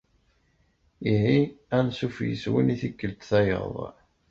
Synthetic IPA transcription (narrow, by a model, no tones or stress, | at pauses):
iɦiænsufjə̰swḭniθikːəlt̪θæjə̰ðˤ